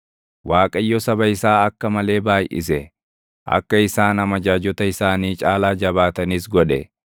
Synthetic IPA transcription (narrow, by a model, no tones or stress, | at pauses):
waːkʼɐjːɔsɐbɐɪsaːɐkːɐmɐle̞ːbaːjʔɪ̰sɛ | ʔɐ̰kːɐɪsaːnɐmɐd͡ʒaːd͡ʒɔt̪ɐɪsaːniːt͡ʃʼaːlaːd͡ʒɐbaːt̪ɐniːsɡɔᶑɛ̰